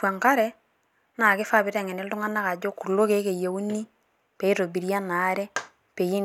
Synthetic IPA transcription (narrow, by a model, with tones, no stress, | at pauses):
wa˨ŋka˦ɾɛ˦ | na˨kɪ˦fa˦˨bɪ˨tɛ˨ŋɛ˨nɛ˦ltʊ˦ŋa˦na˦ka˨d͡ʒo˦ku˨lo˦ke˨˦ke˨je˨u˦ni˦ | pe˨i˦to˨bi˨ɾja˦na˨˦ɾɛ˦ | pe˨ji˦n